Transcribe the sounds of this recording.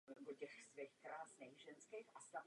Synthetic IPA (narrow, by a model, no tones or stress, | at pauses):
bocɛxsvɛxkɾaːsnɛɣʒɛnskexʔast̪av